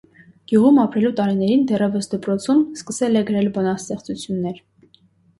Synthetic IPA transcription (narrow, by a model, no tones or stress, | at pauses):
ɡ̥juʁumɑpɾɛlut̪ɑɾinɛɾind̪ɛrɛvəsd̪əpɾɔt͡sʰumskəsɛlɛɡəɾɛlbɔnɑst̪ɛχt͡sut͡sʰjunːɛɾ